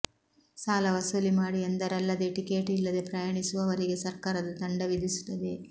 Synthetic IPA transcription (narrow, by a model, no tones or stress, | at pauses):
saːlɐʋɐsolimaːɽiɐnd̪ɐɾɐlːɐd̪eːʈike̞ːʈilːɐd̪e̞pɾɐjɐːɳisuʋɐʋɐɾiɡe̞sɐɾkaːɾɐd̪ɐt̪ɐɳɖɐʋid̪ʱisu̥t̪ːɐd̪e̞